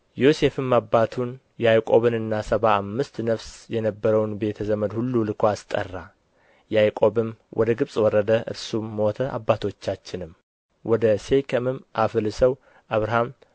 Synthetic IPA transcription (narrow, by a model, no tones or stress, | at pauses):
jose̞fɨmːabːat̪ʰun | jɛajkʼo̞βɨnɨnːasəβaːmːɨst̪nəfsjɛnəbːəɾəwnbe̞t̪ʰəzəməd̪hulːulɨkʰʷast̪ʼə̰rːa | jajkʼo̞βɨmwʔɔ̰d̪əɡɨβsʼwɔrːəd̪əʔɨ̰ɾsumːot̪ʰəʔa̰bːat̪ʰo̞t͡ʃːat͡ʃːɪnɨm | wʔɔd̪əse̞kʰəmɨmʔafɨlɨsəw | ʔaβɾaham